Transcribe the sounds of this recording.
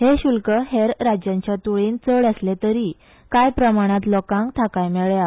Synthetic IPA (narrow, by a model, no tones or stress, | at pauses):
heɕulkəheɾɾad͡ʑjãɲt͡ɕjat̪uɭint͡səɽəslẽt̪əɾi | kajpɾəmaɽ̃at̪lɔkãŋɡt̪ʰakajmɛɭja